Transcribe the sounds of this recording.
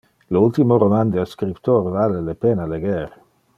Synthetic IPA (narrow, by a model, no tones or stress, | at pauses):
loult̪imoɾomand̪ealskɾipt̪oɾvalelepenaaleɡeɾ